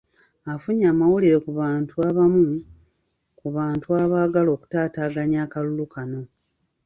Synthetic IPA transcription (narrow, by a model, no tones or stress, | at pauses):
afuɲaːmawuliɾe̞kuβaːntuaːβamu | kuβaːntuaβaːɡalo̞ːku̥taːtaːɡaɲaːkalulukano̞